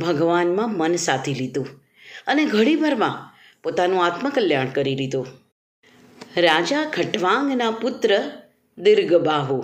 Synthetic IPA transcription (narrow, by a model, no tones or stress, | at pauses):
bʱəɡʋanmãmənsat̪ʰilid̪ũ | əneɡʱəɽibʱəɾmã | pot̪anũat̪məkəljaɳ̃kəɾilid̪ũ | ɾad͡ʒaɡʰʱəʈʋãŋɡnapʊt̪ɾə | d̪ɪɾɡbaɦu